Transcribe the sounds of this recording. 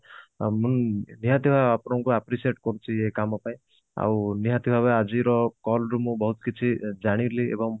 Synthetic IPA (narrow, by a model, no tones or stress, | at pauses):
munniɦat̪ibʱaapɔɾɔŋkuapɾisieʈkɔɾut͡ʃʰiekamɔpaĩ | a̰wniɦãt̪ibʱabaad͡ʒiɾɔkɔlɾumũbɔɦut̪kit͡ʃʰid͡ʒaɽ̃iɾliḛbɔŋ